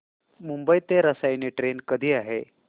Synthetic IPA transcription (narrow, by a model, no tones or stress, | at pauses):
mumbəjt̪eɾəsajneʈɾenkəd̪ʱiːaɦe